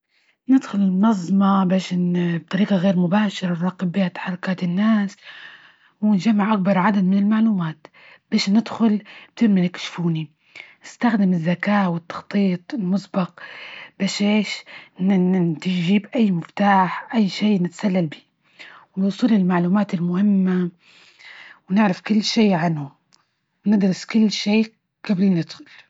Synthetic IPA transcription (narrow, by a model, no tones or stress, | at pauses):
nɪd̪xʊlɪlmnɑzˤmɑbeːʃnb̚t̪ˤɑɾiːqɑɣeːɾmʊbaːʃɪɾˤɑrˤɑːqɪbbɪhat̪ḁħɑrˤːʊkaːt̪ɪnːaːs | wɪnʒamːaʕʔak̚bɑɾˤʕad̪ad̪mɪnɪlmaʕluːmaːt̪ | b̥eːʃnɪd̪xʊlb̥̚t̪ɪɾmanɪkʃfuːni | nɪst̪axd̪ɪmɪzːakaːwɪt̪ːɑ̥xt̪ˤiːt̪ˤɪlmʊsbɑq̚b̥eːʃeːʃnt̪ɪʒiːbʔajːmɪft̪aːħʔajːʃeːnɪt̪ḁsalːalbi̥ː | wnwuːsˤuːlɪlmaʕluːmaːt̪ɪlmʊhɪmːa | wnɪʕɾɪfkɪlːʃeːʕanhʊ | wnɪd̪ɾɪskʊlːʃeː | ɡ̥ablnɪd̪xʊl